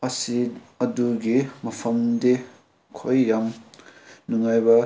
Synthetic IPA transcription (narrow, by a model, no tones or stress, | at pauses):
ɐsiɐduɡimɐpʰɐmde | kʰojːam | nuŋajbɐ